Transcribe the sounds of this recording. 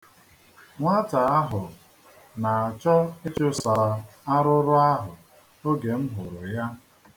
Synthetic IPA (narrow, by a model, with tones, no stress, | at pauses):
ŋʷa˦ta˨a˦ɦʊ˨ | na˨a˨t͡ʃɔ˦ɪ˦t͡ʃʊ˦sa˨a˨a˦ɾʊ˦ɾʊ˦a˦ɦʊ˨ | o˦ɡe˨m̩˦ɦʊ˨ɾʊ˨ja˦